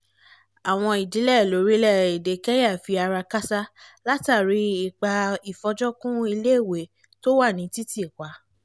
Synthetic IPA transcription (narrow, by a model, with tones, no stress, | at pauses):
a˨w̃ɔ̃˧i˨di˨˦lɛ˦˨lo˨˦ɾi˦lɛ˦˨i˨de˨kɛ˦ja˦˨fi˧˦a˧ɾa˧ka˦sa˦la˦ta˦˨ɾi˨˦i˨k͡pa˧i˨fɔ˧d͡ʒɔ˦kũ˦i˧le˦˨we˨˦ | to˦wa˦˨nĩ˨˦ti˦ti˦i˨kʷa˨˦